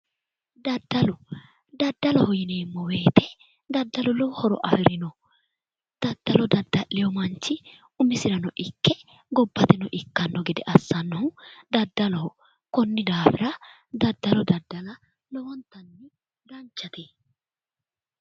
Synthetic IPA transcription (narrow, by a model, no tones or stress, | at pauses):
d̪ɐd̪ːɐlʊ | d̪ɐd̪ːɐlɔhɔjɪne̞ːmːɔwe̞ːt̪ɛ | d̪ɐd̪ːɐlʊlɔwhɔɾɔ̰ʔɐfɪɾɪnɔ | d̪̥ɐd̪ːɐlɔd̪ɐd̪ːɐʔːɪjɔmɐnt͡ʃːɪ | ʊmɪsɪɾɐnɔʔɪkːɛ | ɡɔbːɐt̪ɛnɔʔɪkːɐnːɔɡɛd̪ɛʔɐsːɐnːɐhʊd̪ɐd̪ːɐlɔhɔ | kɔnːɪd̪aːfɪɾɐ | d̪ɐd̪ːɐlɔd̪ɐd̪ːɐlɐ | lɔwɔnt̪ːɐnːɪ | ɡ̪ɐnt͡ʃːɐt̪eː